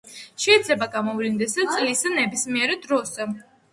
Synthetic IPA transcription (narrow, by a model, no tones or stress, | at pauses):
ʃɛid̪zlɛbaɡamɔvlind̪ɛsat̪sʼlisanɛbismiɛɾɛd̪ɾɔzɛ